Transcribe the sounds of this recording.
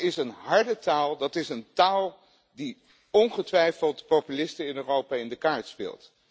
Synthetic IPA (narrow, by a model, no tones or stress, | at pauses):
ɪsənɦɑɹdətaːlˠdɑtɪsəntaːlˠ | di | ɔnχətʋɛjfəlˠtpopylɪstəɪnøːrowpaɪndəkaːɹtspɪ̰ːlˠt